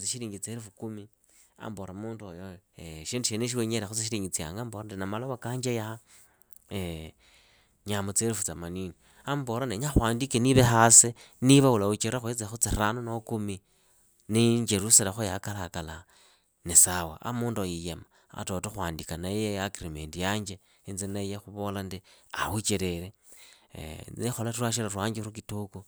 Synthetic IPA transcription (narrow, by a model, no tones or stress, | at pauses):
t͡siʃiɾiːŋɡit͡seɾifukumi | a̰mboɾamuːnduojoeʃindiʃeneʃ̬iweɲeɾexut͡siʃiɾiːŋɡit͡sia̰ŋɡaːmboɾadinamaloβakaːɲd͡ʒejaa | e | ɲamot͡seɾifut͡samanini | amboɾaneɲaxwaːndikeniβexase | niβaulaut͡ʃeɾaxuet͡sexut͡siranunokumi | niɲd͡ʒeɾuselaxojakalakala | nesawa̰a̰muːndajijema | a̰totoxwaːndikanajejakrimeːndijaːɲd͡ʒe | inzinajexuβo̞landiahut͡ʃeɾeɾḛ | ixolaturaʃ̬iɾarwaːɲd͡ʒeukituku